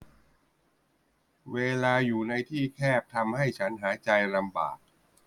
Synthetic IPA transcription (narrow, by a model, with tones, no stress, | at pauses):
weː˧laː˧juː˨˩na˧jt̪ʰiː˥˩kʰɛː˥˩p̚t̪ʰa˧mha˥˩jt͡ɕʰa˦˥nɦaː˩˦t͡ɕa˧jla˧mba̰ː˨˩k̚